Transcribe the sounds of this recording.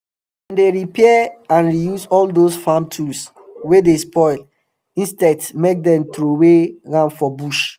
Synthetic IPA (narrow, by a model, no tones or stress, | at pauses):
ãndeɹipʰɛãnɹijusɔldosfãmtʰuls | wedespɔɪl | ĩnstɛdsmek̚dɛ̃mtɹoweɹãnfɔbuʃ